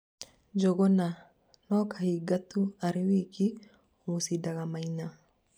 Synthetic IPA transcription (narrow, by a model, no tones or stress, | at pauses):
d͡ʒɔɡɔnːɐ | noːkʰɐhiɡɐt̪ːʊɐɾɪwiːkːɪ | uːsid̪ɐɡɐmɐjnːɐ